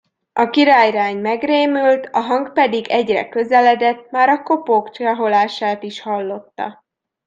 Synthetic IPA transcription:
ɒkiɾaːjraːɲmɛɡreːmylt̪ɒɦɒŋɡpɛd̪iɡɛɟrɛ̰kø̞zɛlɛd̪ɛt̪maːɾɒko̞poːkt͡ʃɒɦo̞laːʃaːt̪iʃhɒlːo̞t̪ːɒ̰

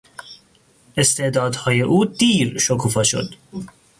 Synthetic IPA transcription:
ʔe̞st̪e̞ʔd̪ɒːd̪hɒːje̞ʔuːd̪iːɾʃokʰuːfɒːʃo̞̰d̪̥

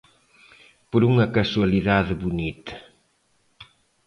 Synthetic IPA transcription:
poɾuŋɐkɐswɐliðaðeβunit̪ɐ̥

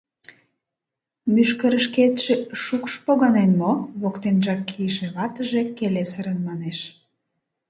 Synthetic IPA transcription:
myʃkəɾəʃket̪ʃeʃukʃpoɣɑnenmoβokt̪enʒɑkːijəʃeβɑt̪əʒe̽kelesəɾənmɑneʃ

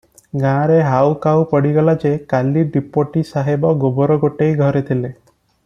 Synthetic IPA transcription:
ɡãɾeɦawkawpɔɽiɡɔlad͡ʒekaliɖipoʈisaɦebɔɡobɔɾɔɡoʈejɡʱɔɾet̪ʰile

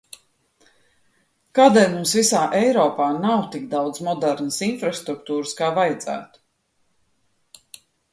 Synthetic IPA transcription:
kaːd̪ɛːlʲmumsvisaːʔɛjɾɔːpaːnawt̪ikd̪awd̪zmɔd̪ɛɾnəsinfɾast̪ɾukt̪uːɾɨskaːvajd̪z̥æ̰ːt̪u̥

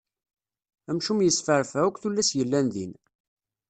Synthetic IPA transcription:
æmʃumjəsfəɾˤfæukʷθulːæsjəlːænðḭn

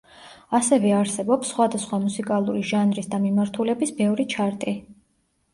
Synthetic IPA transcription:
asɛvɛaɾsɛbɔpsːχwad̪asχwamusikʼalˠuɾiʒanɾisd̪amimaɾt̪ʰulɛbisbɛvɾit͡ʃʰaɾt̪ʼi

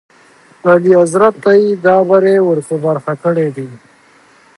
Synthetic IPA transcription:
aliazɾat̪ːajid̪ɑːbaɾewəɾtabaɾxakəɽed̪i

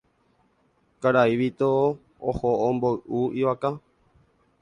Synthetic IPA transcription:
kaɾaiʋit̪o | ohoõmboɨʔuiʋaka

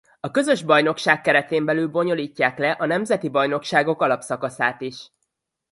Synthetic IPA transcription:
ɒkø̞zø̞ʒbɒjno̞kʃaːkːɛɾɛt̪eːmbɛlyːlbo̞ɲo̞liːcːaːklɛʔɒnɛmzɛt̪ibɒjno̞kʃaːɡo̞kɒlɒpsɒkɒsaːt̪iʃ

